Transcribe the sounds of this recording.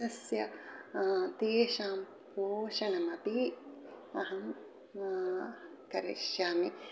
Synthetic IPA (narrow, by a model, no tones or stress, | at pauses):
ɐsjɐ | t̪eːʃaːm | poːʃɐnɐmɐpi | ɐɦɐm | kɐɾḭʃjaːmi